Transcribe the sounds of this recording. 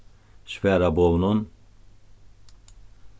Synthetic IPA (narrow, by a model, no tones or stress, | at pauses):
ʃvɛɾabɔvnun